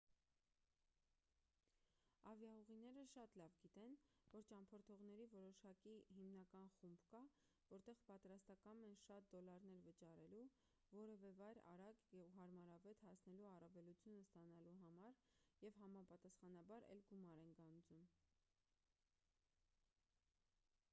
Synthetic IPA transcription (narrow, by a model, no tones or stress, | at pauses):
ɑvjɑuʁinɛɾəʃɑt̪lɑvɡit̪ɛnvɔɾt͡ʃɑmpʰɔɾt̪ʰɔʁn̪ɛɾivɔɾɔʃɑkiɦimnɑkɑnχumbkɑ | vɔɾt̪ɛʁpɑt̪ɾɑst̪ɑkɑmɛnʃɑt̪̚d̪ɔlɑɾn̪ɛɾvət͡ʃɑɾɛlu | vɔɾɛvɛvɑjɾɑ̰ɾɑkɛvɦɑɾmɑɾɑvɛt̪hɑsnɛluɑrɑvɛlut͡sʰjunəst̪ɑnɑluɦɑmɑɾjɛvɦɑmɑpɑt̪ɑsχɑnɑbɑɾɛ̰lɡumɑɾɛnɡɑnd͡zum